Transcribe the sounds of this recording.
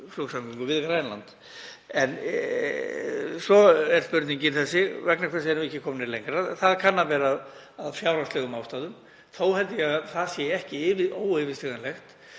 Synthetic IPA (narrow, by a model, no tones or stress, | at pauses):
floksamkiŋkʏvɪðkɾajnla̰nt̪ | ɛn | sɔɛɾspʏɾt̪niɲcɪnθɛsːɪvɛknakʰvɛs̬ɪɛɾnɛhcːɪkʰɔmnɪɾlejŋkɾaθaðkʰanːavɛːɾaːð | aðfjaːwɾast̪lɛɣʏmaːwst̪aːðʏm | θowhɛlt̪ɪjɛɣθaðsjɛɛhcɪɪvɪoːwɪvɪsliːɣanlɛxt̪